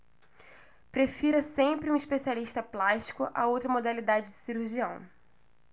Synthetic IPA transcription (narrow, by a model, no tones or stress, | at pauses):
pɾefiɾɐsẽmpɾɪũiʃpesialiʃt̪ɐplaʃt͡ʃi̥kʊʔa̰owt̪ɾɐmod̪alid̪ad͡ʒɪd͡ʒɪsiɾuhʒiɐ̃w̃